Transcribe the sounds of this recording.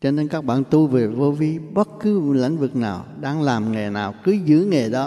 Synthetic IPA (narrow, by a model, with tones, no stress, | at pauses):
t͡ɕɔ˧ne˧nkaː˦˥k̚ɓa̰ː˧˨nt̪u˧jve˨˩vo˧vi˨˦ɓə˦˥t̚kɨ˨˦la̰˧˥jŋ̟vɨ˨˩k̚naː˨˩wɗaː˧ŋlaː˨˩mŋe˨˩naː˨˩wkɨ˨˦zɨ̰˧˥ŋe˨˩ɗɔ˨˦